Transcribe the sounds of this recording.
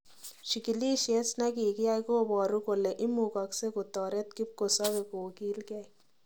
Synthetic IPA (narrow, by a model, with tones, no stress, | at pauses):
ʃi˨ki˨li˦ʃe˦snɛ˦ki˨kɪ˦a˦jkoː˦bɔ˨ɾu˦ko˨le˨ʔɪ˦mu˨kɑ˨kse˦ko˨tɔ˨ɾɛ˦t̚ki˦p̚ko˨sɔ˦be˨ko˨kiː˦lkɛː˦j